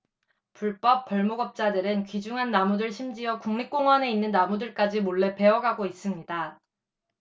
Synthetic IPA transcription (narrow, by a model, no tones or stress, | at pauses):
puɭp͈ʌp͈̚ʌɭmoɡʌp̚t͡ɕ͈adɯɾɯnkid͡ʑuŋɦanːamudɯɭɕʰimd͡ʑiʌkuŋɲik̚k͈oŋɦwane̞inːɯnːamudɯɭk͈ad͡ʑimoɭːe̞pe̞ʌɡaɡois͈ɯmɲida